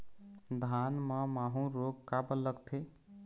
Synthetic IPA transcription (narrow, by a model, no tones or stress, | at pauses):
d̪ʱanməmaɦũɾoɡkabəlːəɡt̪ʰe